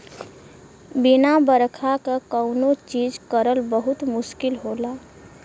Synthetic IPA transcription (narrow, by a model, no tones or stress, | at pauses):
bɪnabəɾkʰakakəʊnot͡ʃiːd͡ʒkəɾəlbəɦʊt̪mʊʃkɪlɦola